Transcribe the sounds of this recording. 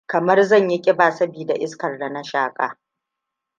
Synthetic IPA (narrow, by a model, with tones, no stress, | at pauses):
kɐ˨mɐ˦rzɐ˦˨ɲji˦kʲʼɪ˦baː˨sɐ˦biː˨da˨ʔɪ˦skɐ˨rda˨na˦ʃaː˦˨kʼa̰ː˨